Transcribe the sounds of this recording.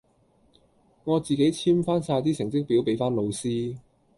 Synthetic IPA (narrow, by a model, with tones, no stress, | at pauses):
ŋɔː˨˧t͡siː˨ke˨˥jt͡sʰiː˥mfaː˥nsaː˧jt̪iː˥sɪ˨˩ŋt͡sɪ˥k̚pi˨˥wpe˨˥jfaː˥nlo˨˧wsiː˥